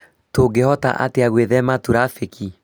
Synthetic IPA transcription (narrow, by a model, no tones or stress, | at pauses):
toɡehɔta̰ʔa̰teaɣweðɛmatuɾafekʰi